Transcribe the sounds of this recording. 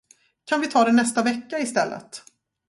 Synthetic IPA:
kʰanvɪt̪ʰɑːd̪ɛnɛst̪avɛkːaɪst̪ɛlːə̰t̪

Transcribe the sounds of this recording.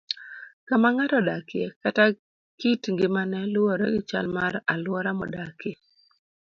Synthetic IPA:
kamaŋatɔdakɪekata | kitŋɡɪmanɛlʊɔɾɔɡɪt͡ʃa̰lmaɾalwɔɾamɔdake

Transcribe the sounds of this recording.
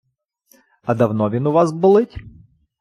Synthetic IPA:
ɐd̪ɐwnɔʋʲinʊʋɑzbʊlˠɪtʲ

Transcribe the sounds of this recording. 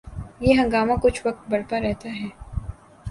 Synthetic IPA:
jeɦɐ̃ŋɡaːmãkʊt͡ʃʰʋɐk̚t̪̚bɐɽpaɾɛɦt̪aɦɛː

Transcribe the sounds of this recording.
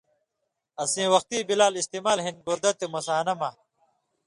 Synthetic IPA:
ɐsĩːwɐxt̪iːbilaːlist̪iːmaːlɦĩnd̪̚buɾd̪ɐt̪emɐsaːnɐmɐ

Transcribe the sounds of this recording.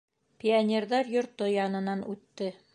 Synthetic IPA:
pʲɪanʲerðɑɾjŏɾt̪ojɑnɤ̆nɑnʔʉt̪ːɘ

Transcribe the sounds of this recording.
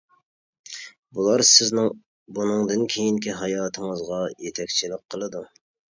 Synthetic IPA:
bulˠɑɾsɪznɪŋ | bunɨŋd̪ɨnkʲʰejiŋkʲiɦɑjɑːt̪ʰɨŋəzʁɑjet̪ʰɛkʲt͡ʃʰilɪk̚ʲqʰəlˠɨd̪u

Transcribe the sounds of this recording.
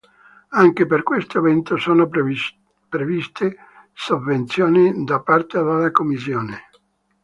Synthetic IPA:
aŋkeperkwest̪oevɛnt̪osoːno | pɾevist̪ʰe | sovːent̪sjoːnid̪apːart̪ealalakomːisjoːne

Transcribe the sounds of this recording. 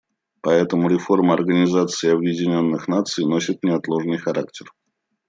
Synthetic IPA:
pɐɛt̪əmʊɾʲɪfo̞rməɐrɡənʲɪzat̪sɨɪɐbjɪdʲɪnʲo̞nːɨxnat̪sɨjno̞sʲɪt̪nʲɪɐt̪lˠo̞ʐnɨjxɐɾa̰k̚tʲɪr

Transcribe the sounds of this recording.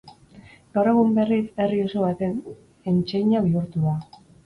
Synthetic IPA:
ɡ̥awɾe̞ɣumbe̞rise̞rioso̞βat̪e̞n | e̞nt͡ʃe̞jɲaβiuɾt̪uða

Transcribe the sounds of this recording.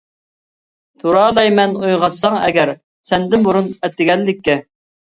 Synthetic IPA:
t̪ʰuɾɑːlˠɛjmɛnujʁɑt̪sɑŋɛ̰ɡʲɛɾ | sɛnd̪ɪnbuɾunɛt̪ːɪɡʲɛnːɪkʲʰːɛ

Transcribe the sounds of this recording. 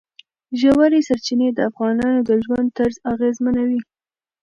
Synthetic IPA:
ʒawaɾesaɾt͡ʃined̪əafɣɑnɑnod̪əʒwand̪̚t̪aɾzaɣezmənawi

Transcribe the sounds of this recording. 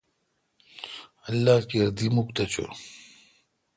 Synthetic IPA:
ɐlːaːkiɐɾd̪imukt̪ɐt͡ɕo̰

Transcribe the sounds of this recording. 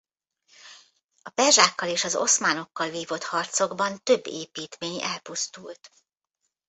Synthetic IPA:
ɒpɛrʒaːkːɒleːʃɒzo̞̰smaːno̞kːɒlviːvo̞t̪hɒrt̪so̞ɡbɒnt̪ø̞bːeːpiːt̪meːɲɛlpust̪ult̪

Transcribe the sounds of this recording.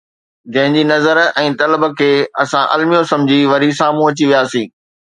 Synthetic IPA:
d͡ʑɐ̃ɦɪ̃ɲd͡ʑiːnɐzəɾɛ̃ːt̪ɐləbə̆kʰeːɐsãʔɐ̰lmijosɐ̃md͡ʑʱiʋɐɾisãːmũɦɐt͡ɕiʋijaːsĩː

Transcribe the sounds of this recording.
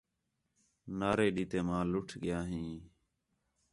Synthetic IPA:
naːɾeːɗiːt̪eːmãːlʊʈʰɠɪjaːɦĩː

